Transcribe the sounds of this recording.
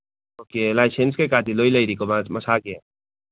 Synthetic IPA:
okelajsenskekaːt̪iloilɐjɾikommɐsaːkee

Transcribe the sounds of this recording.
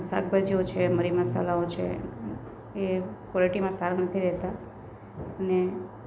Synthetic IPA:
sa̰ɡ̚bad͡ʒiot͡ʃʰeməɾiməsa̰laot͡ʃʰḛ | ekwɔleʈimãst̪ʰaɾənət̪ʰiɾɛɦt̪a | əne

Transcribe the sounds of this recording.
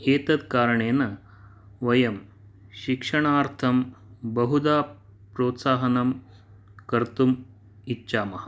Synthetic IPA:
eːt̪ɐd̪kaːɾɐɳeːnɐ | ʋɐjɐm | ʃikʂɐɳaːɾt̪ʰɐmbɐɦud̪aː | pɾoːt̪saːɦɐnɐm | kɐɾt̪um | itːɕaːmɐɦɐ

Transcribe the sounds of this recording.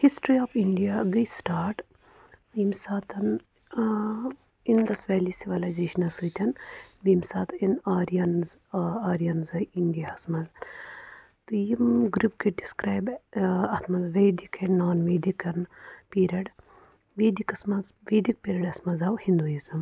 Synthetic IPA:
hisʈɾiɔːfiɳɖijaɡisʈaːɾʈ | biːmsaːt̪ʰɐn | ind̪ɐsʋeːlisiʋɐlajzeːʃɐnɐsɨt̪ʰʲɐnbiːmsaːt̪ʰinaːɾiɐnzaːɾijɐnzɐjiɳɖijaɐsmɐz | t̪ɨjimɡɾupkeɖiskɾaːjbɐt̪ʰmɐzʋeːd̪ikʰɐnːoːnʋeːd̪ikɐnpiːɾɐɖ | ʋeːd̪ikɐsmɐzʋeːd̪ik̚piːɾɐɖɐsmɐzɐwhĩnd̪ujizɐm

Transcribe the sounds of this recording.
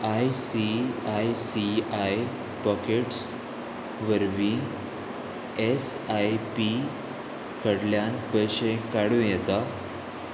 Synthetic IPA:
ajsiajsiaj | pɔkeʈs | ʋəɾʋĩ | es | ajpi | kəɽljanpəjɕẽkaɽũjɛt̪a

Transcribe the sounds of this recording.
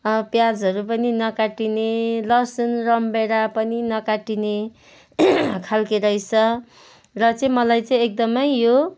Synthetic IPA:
pjad͡zɦʌɾupʌninʌkaʈinelʌsʌnrʌmbeɾapʌninʌkaʈine | kʰalkeɾʌjt͡sʰʌ | rʌt͡sʌĩmʌlajt͡sʌĩek̚d̪ʌmʌjːo

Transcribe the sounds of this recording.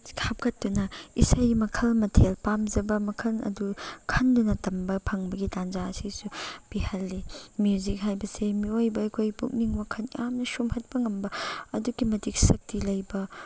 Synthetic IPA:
kʰap̚kɐtːunɐisɐjmɐkʰɐlmɐtʰelpamzɐbɐmɐkʰɐlɐ̰dukʰɐndunɐtɐmbɐpʰɐŋbɐɡitanzaɐsisupihɐlːimjuzik̚ɦajbɐsemiojbɐɐjkʰojpṵk̚niŋbɐkʰɐnijamnɐsumhɐt̚pɐŋɐmbɐɐduɡimɐtik̚sɐk̚tilɐjbɐ

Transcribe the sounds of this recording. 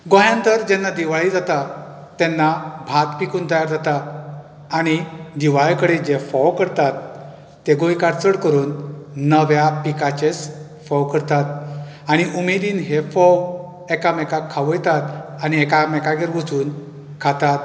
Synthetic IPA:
ɡõjãnt̪əɾd͡ʑɛnːad̪iʋaɭid͡zat̪a | t̪ːɛnːabʱat̪pikuːnt̪əjaɾd͡zat̪a | aɽ̃id̪iʋajkəɽed͡ʑefɔwkəɾt̪at̪ː | eɡojkaɾt͡səɽkəɾuːnːəʋjapikat͡ɕes | fɔwkəɾt̪at̪̚ | aɽ̃iʔumed̪iːnɦefɔw | ɛkamɛkakʰːaʋəjt̪at̪añiɛkamɛkaɡeɾʋut͡suːn | kʰat̪at̪

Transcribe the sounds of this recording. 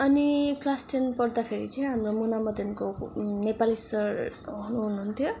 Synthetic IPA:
ʌniklasʈʰenpʌrd̪apʰeɾit͡sʌj̃ɦamromunamʌd̪ʱʌnkonepalisʌrɦunuɦunuɦunt̪ʰjo

